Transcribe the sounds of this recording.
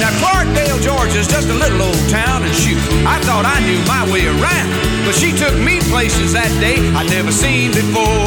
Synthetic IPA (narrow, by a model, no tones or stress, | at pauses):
naʊkʰɑɹk̚d̥eɪlˠd͡ʒɔɹd͡ʒɨzd͡ʒʌstəlɪɾl̩ˠoʊlˠd̚tʰãʊ̃nɨ̃nʃi | aɪθɔɾaɪnjʉmaɪweɪə˞ãʊ̃nd | b̥ʌtʃitʰʊk̚mipʰl̥eɪsɨzðɨt̚d̥eɪaɪdⁿnɛvə˞sĩnbɨfɔɹ